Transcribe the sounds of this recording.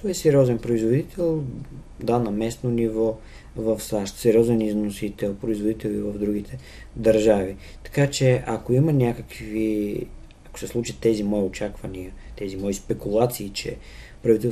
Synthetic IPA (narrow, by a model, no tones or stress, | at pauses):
t̪ɔɛsɛɾʲjɔzɛnpɾoizvod̪it̪ʰɛlˠ | d̪anɐmɛsnonivɔ | vəfsaʃt̪sɛɾiɔzɛniznosit̪ɛlˠpɾoizvod̪it̪ɛlˠivəvd̪ɾuɡ̟it̪ʰɛ | d̪ɐɾʒavi | t̪ɐ̥kat͡ʃɛɐkoimənʲakəkvi | ɐko̥sɛslˠut͡ʃit̪ɛzimɔiot͡ʃakvɐniət̪ɛzimɔispɛkulˠat̪siːt͡ʃɛ̰ | pɾɐvit̪ɛl